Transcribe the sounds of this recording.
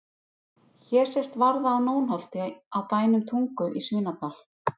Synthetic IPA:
çɛɾ̥sɛst̪vaɾðaːwnoːwnɦɔl̥t̪ɪawpaːjnʏmt̪ʰuŋkʏʔisvɪːnat̪aːl̥

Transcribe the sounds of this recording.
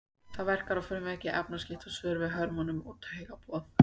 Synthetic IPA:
θaðvɛr̥kaɾafʏːɾʏmɛhcɪʔɛpnascɪht̪awsvʏːɾvɪðɦœɾmanʏmṵt̪ʰheɣapɔːθ

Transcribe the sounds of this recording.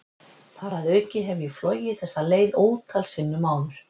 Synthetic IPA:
faːɾaðœːɥcɪɦɛvʏiflɔwjɪθɛsːaleːjðoːwt̪ʰalsɪnːʏmaːwðʏɾ̥

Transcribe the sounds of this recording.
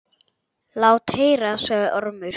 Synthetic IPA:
laːwt̪heːjɾasaːɣðɪʔɔɾmʏ

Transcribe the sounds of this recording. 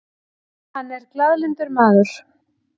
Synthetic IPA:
hanːɛɾklaðlɪnt̪ʏɾmaːðʏɾ̥

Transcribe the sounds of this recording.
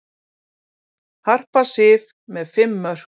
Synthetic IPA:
har̥pasɪv | mɛðfɪmːœr̥

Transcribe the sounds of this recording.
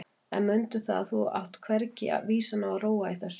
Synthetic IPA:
ɛ̰nmʏnt̪ʏθa̰θua̰wht̪kʰvɛɾcɪ̰a̰viːsanaaɾoːwaiθɛsː

